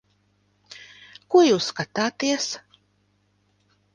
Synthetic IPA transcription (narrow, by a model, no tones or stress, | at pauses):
kuɔjuːskat̪aːt̪iɛs